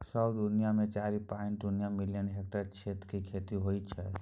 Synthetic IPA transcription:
səd̪ʊnijamẽt͡ʃaːɾipãɪɳʈd̪ʊnijamɪlijənɦek̚ʈəɾt͡ʃʰeːt̪kikʰeːt̪iɦoːit͡ʃʰɛ

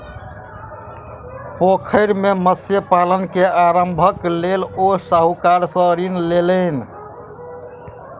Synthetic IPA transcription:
pokʰəɪɾmeməsjəpalənkeaɾəmbʱəklelosaɦukaɾsə̃ɾinlelən

